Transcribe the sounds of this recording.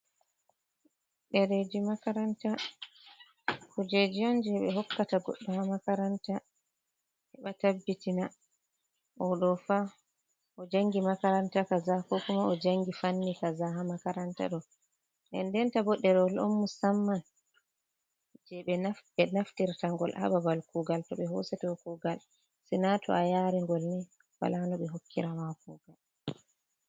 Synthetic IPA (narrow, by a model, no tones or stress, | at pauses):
ɗɛɾed͡ʒimakaɾanta | kud͡ʒed͡ʒiɔnd͡ʒɛɓɛɦɔkːataɡɔ̰ɗːɔhamakaɾanta | hɛɓatabːitina | ʔɔɗɔfa | ɔd͡ʒaŋɡimakaɾantakazakɔkumaɔd͡ʒaŋɡifanːikazaɦamakaɾanta̰ɗɔ | nʔɛ̰ndɛntabɔɗːɛɾɔlɔ̰nmusamːan | d͡ʒɛɓɛnaɛnaftiɾtaŋɡɔlha̰babalkuɡaltɔɓɛɦɔsɛtɛɔkuɡal | sɛnatʰɔ̰ajaːɾɛŋɡɔlnɛ | wa̰lanɔɓɛɦokːiɾamakuːɡ̥al